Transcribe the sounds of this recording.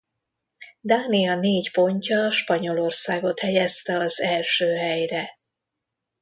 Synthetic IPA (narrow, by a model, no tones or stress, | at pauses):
d̪aːniɒneːcpo̞ɲcɒʃpɒɲo̞lo̞rsaːɡo̞t̪hɛjɛst̪ɛɒzɛlʃøːɦɛjrɛ